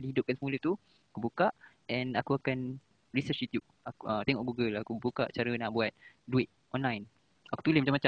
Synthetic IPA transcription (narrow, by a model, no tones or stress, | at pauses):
diɦidʊp̚kansəmulət̪u | akubukaʔ | ɛ̃nakuakan | ɹisət͡ʃit̪jup̚akət̪ɛŋɔʔɡuɡəlakubukaʔt͡ʃaɾənaʔbuat̪̚ | duɪt̪̚ʔɔnlajn | ʔaku̥t̪ulɪsmat͡ʃamat͡ʃa